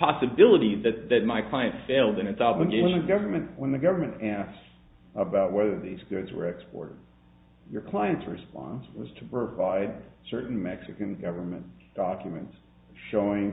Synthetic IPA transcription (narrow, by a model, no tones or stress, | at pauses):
pʰɑsɨbɪlˠəɾizðɨt̪̚ðɨt̚maɪkʰl̥aɪɨ̃ntsfeɪlˠdɨ̃nɨtsɑblɡeɪə̃nɨɡʌvə˞mɨ̃ntwə̃nðɨɡʌvə˞mɨ̃ntæsk | əbaʊt̚wɛðə˞ðizɡʊdzwə̰˞ɛkspɔ̰ɹɾɨd̥̚ | jə˞kʰl̥aɪɨ̃ntsɹɨspɑ̰̃nswʌz̥tʰəpʰɹ̥ɨvaɪd̚sɜ˞ʔn̩mɛksɨkɨ̃nɡʌvə˞mɨ̰̃nd̥ɑkjɨmɨ̰̃nts | ʃoʊɪ̃ŋ